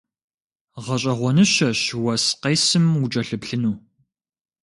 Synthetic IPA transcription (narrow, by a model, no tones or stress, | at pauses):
ʁɐɕʼɐʁʷɔnɨɕɐɕwɐsqeːsɨmut͡ʃʼɐɬɨpɬɨnuː